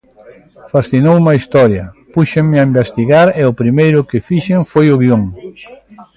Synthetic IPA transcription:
fasθinowumɐist̪ɔɾjɐpuʃeŋmɪaimbest̪iɣaɾeʊpɾimejɾʊkɪfiʃeŋfojʊɣioŋ

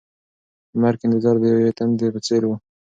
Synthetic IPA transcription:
maɾkɪnd̪ɪzɑɾd̪əjawet̪and̪epət͡seɾwu

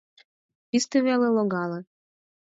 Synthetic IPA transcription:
pist̪eβeleloɣɑlɤ

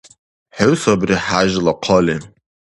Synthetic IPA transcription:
ħʊsabriħaʒlaqʰəle

